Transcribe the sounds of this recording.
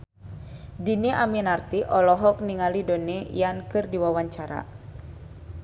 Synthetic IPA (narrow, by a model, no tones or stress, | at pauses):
diniʔaminart̪iʔɔlɔɦɔk̚niŋalidonejankɨrdiwawaɲt͡ʃaɾa̰